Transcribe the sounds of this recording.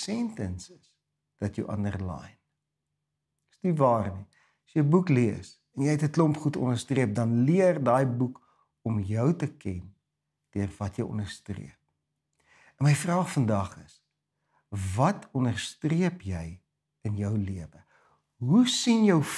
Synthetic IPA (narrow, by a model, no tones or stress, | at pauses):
sɛntɛnsəs | d̥ɐtjəwʔɐ̰ndə̰rlɑ̰jn | snivɑːrni | sjəbukliəs | ɛnjɛjtətlɔmpχutɔ̰nərstriəp̚dɐnliərdɑːjbuk | ɔmjœwtəkʰɛn | d̥iərvɐtjəjʔɔ̰nərstrḭəp̚ | nməjfrɑːχfəndɐχəs | vɐtʰɔnərstriəpjɛj | ənjœwliəvə | ɦusinjəw